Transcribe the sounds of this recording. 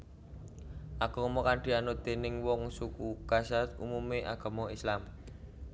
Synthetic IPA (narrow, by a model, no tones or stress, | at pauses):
ʔaɡ̥ɔ̤mɔkaɳɖ̥i̤anod̪̥e̤nɪŋwɔŋsukukasatumumeʔaɡ̥a̤mɔislam